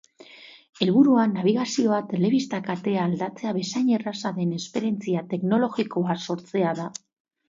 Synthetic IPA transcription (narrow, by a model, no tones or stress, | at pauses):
e̞lβuɾuanːaβ̞iɣasio̞at̪e̞le̞β̞ist̪akat̪e̞aːld̪at͡se̞aβe̞sajɲe̞rasaðe̞ne̞spe̞ɾie̞nt͡siat̪e̞kno̞lo̞ɣiko̞aso̞ɾt͡se̞aða